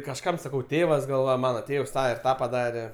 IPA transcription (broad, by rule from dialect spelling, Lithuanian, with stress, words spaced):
kɐʃˈkɐm sɐˈkɐʊ ˈtʲeːʋɐs ɡɐlˠ ˈʋɐ ˈmɑːnɐ ˈtʲeːws ˈtɑː ɪr ˈtɑː pɐˈdɑːrʲɛ